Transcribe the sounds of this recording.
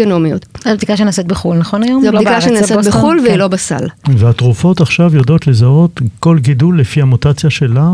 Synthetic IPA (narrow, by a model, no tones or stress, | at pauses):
onomiot̪ab̚t̪ikaʃenaset̪beχulnaχo̞najomzikaʃenasebeχulveilo̞basa̰lveatʁufo̞taχʃavjodo̞t̪lezaot̪ko̞lɡidulːefiamot̪at͡sjaʃe̞la